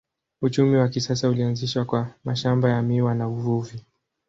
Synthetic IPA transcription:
ut͡ʃumiwakisasaulianziʃwakwamaʃambajamiwanauvuvi

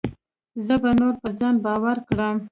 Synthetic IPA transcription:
zəbanoɾpəzɑnbɑwaɾkɽəm

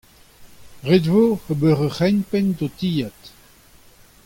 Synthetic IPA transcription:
ʁedvoəbøʁəχɛnpɛndot̪ijat̪

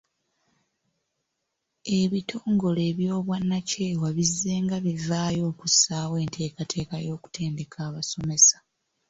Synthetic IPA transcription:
e̞βitʰo̞ːŋɡo̞le̞ːβjo̞ːβwanːace̞ːwaβizːe̞ːŋɡaβivaːjo̞ːkusaːwe̞ːntʰe̞ːkatʰe̞ːkajo̞ːku̥te̞ːnde̞kʰaːβaso̞me̞sḁ

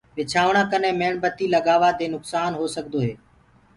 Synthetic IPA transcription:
ʋɪt͡ʃʰaːʋɳãːkənẽːmeːɳbət̪iːləɠaːʋaːd̪eːnʊksaːnɦoːsəkd̪oːɦeː

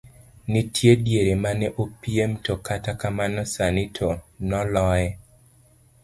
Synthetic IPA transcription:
nitʰjedjeɾemanɛʔopiemtɔkatakamanɔsanitʰonɔlɔjɛ

